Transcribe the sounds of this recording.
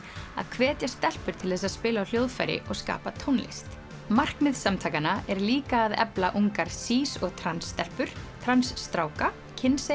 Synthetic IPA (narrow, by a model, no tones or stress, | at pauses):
a̰ðkʰvɛːt̪jast̪ɛl̥pʏɾ̥t̪ʰɪlθɛsaðspɪːlaːwljoːwðfa̰jɾɪ̰ʔɔɣska̰ːpat̪ʰownlɪ̰st̪ | mar̥kmɪðsamt̪ʰaːjkanaɛɾliːkaːðɛ̰plaʔuŋkaɾ̥siːsɔɣt̪ʰɾansːt̪ɛl̥pʏɾ̥t̪ʰɾansːt̪ɾaːwka | cʰɪnse